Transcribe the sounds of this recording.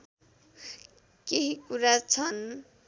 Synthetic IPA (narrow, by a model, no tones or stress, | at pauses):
keɦikuɾat͡sʰʌn